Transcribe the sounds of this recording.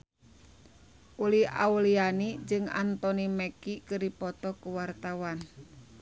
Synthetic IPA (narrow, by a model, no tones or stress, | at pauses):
ʔulia̰ulianid͡ʒɨŋa̰nt̪ɔnimɛkikɨripɔt̪ɔkuwart̪awan